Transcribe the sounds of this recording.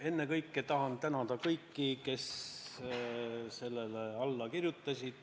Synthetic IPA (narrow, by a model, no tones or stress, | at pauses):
e̞nːekɤjkːˑet̪ɑɦɑnt̪ænɑd̪̥ɑkɤjkːike̞s | se̞lːeleɑlːɑkirjut̪ːˑɑsʲid̪̥